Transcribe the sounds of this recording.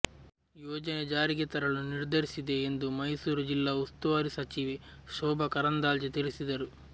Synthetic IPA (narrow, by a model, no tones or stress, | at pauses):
jɔːd͡ʒɐned͡ʒaːɾiɡet̪ɐɾɐɭuniɾd̪ʱɐɾisid̪e̞ːnd̪umɐjsuːɾud͡ʒilːaːust̪uʋaːɾisɐt͡ʃiʋiʃɔːbʱɐkɐɾɐnd̪aːld͡ʒet̪ilisid̪ɐɾu